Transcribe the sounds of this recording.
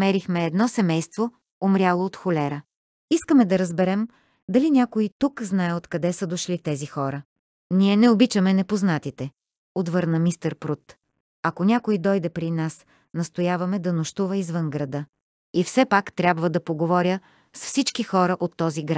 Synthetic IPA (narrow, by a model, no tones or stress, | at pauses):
mɛɾixmɛːd̪nɔsɛmɛjst̪vo | omɾʲjalˠoːt̪xolʲɛɾə | iskəmɛd̪ɐɾɐzbɛɾɛm | d̪ɐlinʲakoit̪ukznajɛot̪kɐd̪ɛsəd̪oʃlit̪ɛzixɔɾə | nʲiɛnɛobit͡ʃəmɛnɛpoznat̪it̪ɛ | ot̪vɤɾnəmist̪əɾpɾut̪ | ɐkonʲakoid̪ɔjd̪ɛpɾinas | nɐst̪ojavɐmɛd̪ɐnoʃt̪uvəizvɤnɡɾɐd̪ɤ | ifsɛpakt̪ɾʲabvəd̪ɐpoɡovɔɾʲjə | sfsit͡ʃkixɔɾəʔot̪ːɔziɡɾa